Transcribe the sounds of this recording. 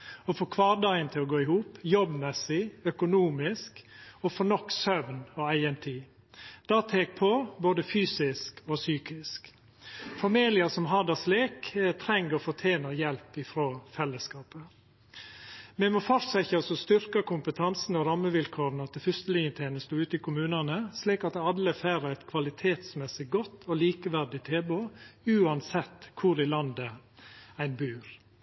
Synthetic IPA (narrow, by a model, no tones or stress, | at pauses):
ɔfoːkʰʋɑːdɑɪənt̪ʰɪlɔɡoːɪhuːpjɔbmɛsɪœkʊnuːmɪskɔfɔnɔkːsœʋnɔæɪɛnt̪ʰiː | d̪̥ɑːt̪ʰeːk̚pʰoboːd̪əfyːsɪskʰɔsyːkɪsk | fɑmiːlɪəsɔmɦɑd̪ɑsleːkt̪ʰɾɛŋɡəɔfɔt̪ʰjeːnəjɛlpɪfɾoːfɛlːəskɑːpə | mɛmɔfɔɾsɛçɑsɔst̪ʏɾkɑkʰʊmpət̪ʰɑnsn̩ɔɾɑmːəʋɪlkʰoːɾnɑt̪̚ɛfʏst̪əlɪŋət̪ʰeːnəst̪uʉːt̪ɪkʰʊmʉːnɑnəsliːkɑt̪ɑd̪əfæːɾəæɪt̪kʰʋɑlɪt̪ʰeːt̪smɛsɪɡɔt̪ːʰɔliːkəʋæɾɖɪt̪ʰeːboʉːɑnsɛt̪ːkʰʊɾɪlɑnd̪ə | æɪnbʉːɾ